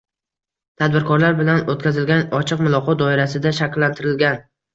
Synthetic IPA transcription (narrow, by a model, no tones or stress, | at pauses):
t̪ʰad̪̚bɪɾkʰɒɾlaɾbɪlanot̪̚kʰʲazɪlɡʲanɒt͡ʃʰɨqmʊlˠɒqʰɒt̪̚d̪ɒɪɾasɪd̪aʃakʲlːant̪ʰɪɾɪlɡʲan